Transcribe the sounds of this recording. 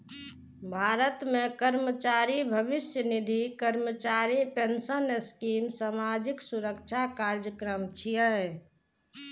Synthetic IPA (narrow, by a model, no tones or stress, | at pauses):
bʱaɾət̪mẽkəɾmət͡ʃaɾibʱəʋisjənid̪ʱikəɾmət͡ʃaɾipensəneskimsamad͡ʒiksuɾəkt͡ʃʰakaɾd͡ʒjəkɾəmt͡ʃʰijəɛ